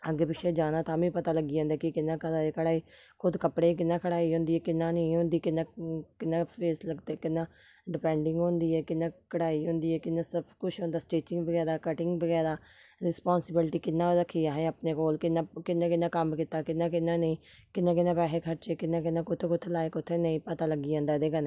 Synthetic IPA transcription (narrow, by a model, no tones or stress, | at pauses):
əɡepɪʃeːd͡ʒaːnãːt̪aːmĩːpət̪aːləɡiːãːnd̪aːkɪkɪnːãːkəɾaːekʰəɽaːiː | kʰʊd̪kəpɽeːk̬ɪnːãːkʰəɽaːiːɦʊ̃ːnd̪iːɛːkɪnːãːnəĩːɦʊ̃ːnd̪iːkɪnːãːkɪnːãːpʰeːsləɡt̪eːkɪnːãː | ɖɪpɛ̃ːɳɖɪŋɡɦõːnd̪iːɛːkɪnːãːkʰəɽaːiːɦʊ̃ːnd̪iːɛːkɪnːãːsɪbkʊt͡ʃʰɦõːnd̪aːsʈeːt͡ʃɪŋɡbəɡɛːd̪aːkəʈɪŋɡbəɡɛːd̪aːɾɪspɔːnsɪbɪlʈiːkɪnːãːɾəkʰːiːaːɦẽːəpnẽːkoːlkɪnːãːkɪnːãːkɪnãːkəmkɪt̪aːkɪnːãːkɪnːãːnəĩːkɪnːãːkɪnːãːpɛːɦeːkʰəɾt͡ʃeːkɪnːãːk̬ɪnːãːkʊt̪ʰːeːkʊt̪ʰːelaːeːkʊt̪ʰːeːnəĩːpət̪aːləɡːiːãːnd̪aːd̪eːkəne